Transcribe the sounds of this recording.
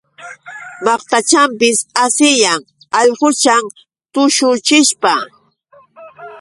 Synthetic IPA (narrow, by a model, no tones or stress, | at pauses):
mɑχt̪at͡ʃampɪsasɪjaŋ | ɑʎɢʊt͡ʃaŋ | t̪ʊʃʊt͡ʃɪʃpa